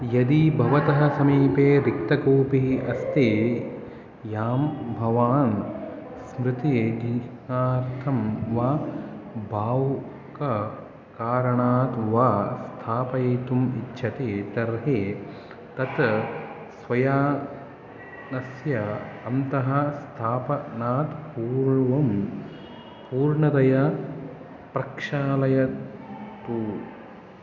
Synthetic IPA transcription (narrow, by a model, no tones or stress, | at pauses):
jɐd̪ibʱɐʋɐt̪ɐɦɐ̆sɐmiːpeːɾik̚t̪ɐkuːpiɦiʔɐst̪eː | jaːmbʱɐʋaːn | smɾɪt̪eːd̪ʱi | aːɾt̪ʰɐmʋaː | bʱaːw | kɐ | kaːɾɐɳaːt̪ʋaːst̪ʰaːpɐjɐːt̪umḭtːʃʰɐt̪eːt̪ɐɾɦeː | t̪ɐt̪ | sʋɐjaː | nɐsjɐɐnt̪ɐɦɐst̪ʰaːpɐnaːt̪puːɾɳʋɐm | puːɾɳɐd̪ɐjɐ | pɾɐkʂaːlɐjɐ | t̪uː